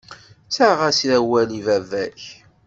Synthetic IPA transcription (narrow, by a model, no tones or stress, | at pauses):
saʁæsɾæwælivævæç